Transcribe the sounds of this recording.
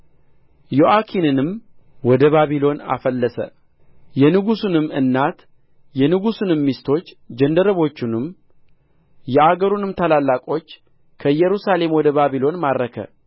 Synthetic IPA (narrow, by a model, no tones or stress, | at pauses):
jo̞ʔakʰinɨnɨmwɔd̪əβaβilo̞na̰fəlːəsə̰ | jɛnɨɡusunɨmːɨnːat̪ | jɛnɨɡusunɨmːist̪ʰo̞t͡ʃː | d͡ʒɛnd̪əɾəβo̞t͡ʃːunɨm | jɛʔaɡəɾunɨmt̪ʰalalːakʼo̞t͡ʃː | kʰəjɛɾusale̞mwɔd̪əβaβilo̞nmadɾəkʰə̰